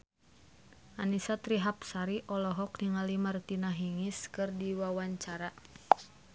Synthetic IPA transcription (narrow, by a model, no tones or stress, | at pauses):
ʔanisat̪ɾiɦapsaɾiʔɔlɔɦɔk̚niŋalimart̪inaɦiŋiskɨrdiwawaɲt͡ʃaɾa